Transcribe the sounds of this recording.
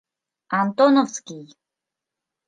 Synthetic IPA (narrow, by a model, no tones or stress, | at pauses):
ant̪onofskij